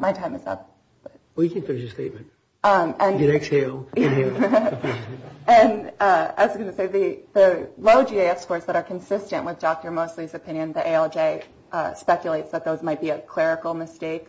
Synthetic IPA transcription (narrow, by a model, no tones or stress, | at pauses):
maɪtʰãɪ̃mɨzə̰t̚ | b̥ʌ | wjɨkʰɨ̃nfɪ̃nɨʃɨsteɪt̚mɨ̃nt̚ | ʔʌ̃mɨ̃nɡɨnɛksheɪlˠɨe | ʔɨ̃nʌɨzɡʌnɨseɪðiðɨloʊd͡ʒieɪɛfskɔɹsðəɾə˞kʰɨ̃nsɪstɨ̃nʔwʔɨðdɔk̚tə˞moʊstˡliɨzɨpʰɪ̃njɨ̃nðiʔeɪɛlˠd͡ʒeɪ | ʔʌspɛkjɨleɪtsðɨt̪̚ðoʊzmaɪt̚b̥iɨkʰl̥ɛɹɨkl̩ˠmɨsteɪk